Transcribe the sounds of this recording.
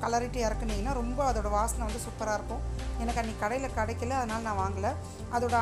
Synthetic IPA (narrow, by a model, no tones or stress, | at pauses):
kɐlɐɾɪʈːiɛɾɐkːɯnːĩŋɡɐnːaːɾɔmbɐɐðoːɽɐʋaːsɐnɐ̃ʋɐnd̪ɯsʊpːɐɾaːɪɾɯkːõɛnɐkːɐnːiːkɐɽɐɪjɪlɐkɐɽɐɪkːɯlɐɐðɐnaːlɐnãːʋaːŋɡɐlɐ | ʔɐðoːɽɐ